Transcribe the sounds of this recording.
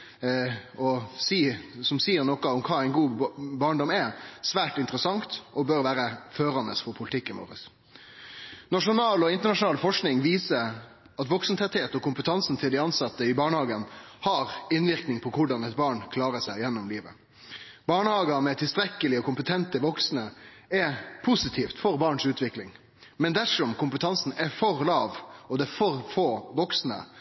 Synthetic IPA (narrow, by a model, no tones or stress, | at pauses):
ɔsiːsɔmsiːəɾnɔkɑɔmkʰɑːæɪnɡuːbɑːɳɖɔmɛsʋæːʈɪnt̪əɾəsɑŋt̪ɔbœɾʋæːɾəføːɾɑnəsfɔɾpʰʊlɪt̪ʰɪkːɪmɔ̰ːɾə̰s | nɑʂʊnɑːlɔɪnt̪əɳɑʂʊnɑːlfɔʂknɪŋʋiːsə | ɑt̪ʋɔksənt̪ʰɛt̪heːt̪ɔkʰʊmpət̪ʰɑnsn̩t̪ʰɪld̪ɪɑnsɑt̪ːəɪbɑːɳəhɑːɡənhɑɾɪnʋɪɾknɪŋpʰɔkʰʊɖɑnɛt̪̚bɑːɳkʰlɑːɾəʂæɪjɛnːʊmliːʋə̰ | bɑːɳəhɑːɡəmɛt̪ʰɪlst̪ɾɛkːəlɪɔkʊmpət̪ʰɛnt̪əʋɔksnəɛpʰusɪt̪ʰiːft̪fɔɾbɑːɳʂʉːt̪ʰʋɪklɪŋ | mɛnd̪æʂɔmkʰʊmpət̪ʰɑnsn̩ɛfɔɾlɑːʋɔd̪ɛfɔɾfoːʋɔksnə̰